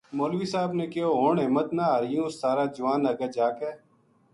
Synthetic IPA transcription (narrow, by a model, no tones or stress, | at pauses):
moːlʋiːsaːbneːkɪjoːɦoːɳɦɪmət̪naːɦəɾɪjũːsːaːɾaːd͡ʒʊʋaːnəɡəːd͡ʒaːkeː